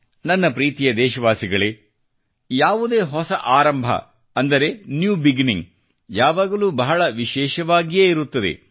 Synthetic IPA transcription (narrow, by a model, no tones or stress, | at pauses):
nɐnːɐpɾiːt̪ijɐd̪ɛːʃɐʋaːsiɡɐɭe | jaːʋud̪e̞ːɦɔsɐʔaːɾɐmbʱɐ̰ | ɐnd̪ɐɾe̞njuːbiɡiniŋɡ | jaːʋaːɡɐluːbɐɦɐɭɐʋiʃɛːʃɐʋaːɡijeːiɾut̪ːɐd̪ḛ